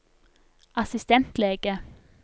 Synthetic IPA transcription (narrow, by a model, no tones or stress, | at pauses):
ʔɑsɪst̪ɛnt̪leːɡ̥ə